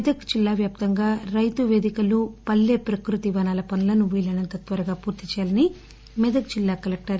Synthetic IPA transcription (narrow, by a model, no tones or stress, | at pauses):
ɛd̪ɐkd͡ʒilːaːʋjaːp̚t̪ɐŋɡaːɾɐjt̪uʋeːd̪ikɐlupɐlːeːpɾɐkɾut̪iʋɐnaːlɐpɐnulɐnuʋiːlɐnɐnt̪ɐt̪ʋɐɾɐɡaːpuːɾt̪it͡ʃɛjaːlɐni | mɛd̪ɐɡ̚d͡ʒilːaːkɐlɐk̚ʈɐɾ